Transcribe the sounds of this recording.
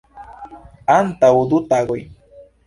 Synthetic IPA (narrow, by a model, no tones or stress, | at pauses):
ant̪aʊd̪ʊt̪aɢʊj